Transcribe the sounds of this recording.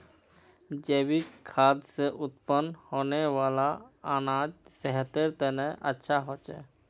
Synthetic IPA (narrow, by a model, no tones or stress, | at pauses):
d͡ʒeːbikʰaːd̪seʔʊt̪pənhoːnewaːlaaːnad͡ʒsɛɦət̪eɾt̪ənɛ̃ʔətːʃʰaɦoːt͡ʃɛ̰